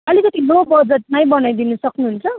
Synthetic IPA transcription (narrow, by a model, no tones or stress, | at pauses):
ʌlikʌt̪inobʌd͡zʌt̪̚majbʌnajd̪inʌsʌknuɦnt͡sʰʌ